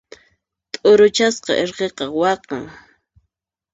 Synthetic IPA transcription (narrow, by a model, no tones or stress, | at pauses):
t̪ʼʊɾʊt͡ʃasqɑ̰ʔeɾqeqɑwɑqɑ̰ŋ